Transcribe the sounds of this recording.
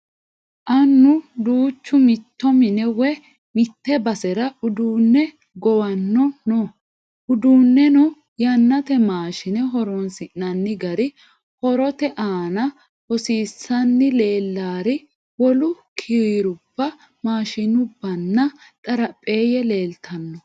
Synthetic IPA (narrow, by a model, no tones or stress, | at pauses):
ʔɐnːʊd̪uːt͡ʃːʊmɪt̪ːɔmɪnɛwɛ | mɪt̪ːɛbɐsɛɾɐʊd̪uːnːɛ | ɡɔwɐnːɔnɔ | ʔʊd̪uːnːɛnʊ | jɐnːɐt̪ɛmaːʃɪnɛɦɔɾɔnsɪnːɐnːɪɡɐɾɪ | hɔɾɔt̪ɛʔaːnɐ | hɔsiːsːɐnːɪle̞ːlːaːɾɪ | wɔlʊkʰɪɾiːɾʊb̥ːɐ | maːʃɪnʊbːɐnːɐt̪ʼɐɾɐpʼːe̞ːjɛle̞ːlt̪ʰɐnːɔ